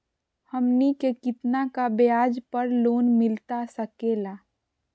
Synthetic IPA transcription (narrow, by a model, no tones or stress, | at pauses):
həmnikekɪt̪nakabejaːd͡ʒpəɾloːnmɪlt̪asəkeːlaː